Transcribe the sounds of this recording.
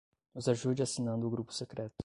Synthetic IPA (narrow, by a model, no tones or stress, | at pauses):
ɔzaʒud͡ʒasinãnd̪uɡɾupu̥sɛkɾɛːt̪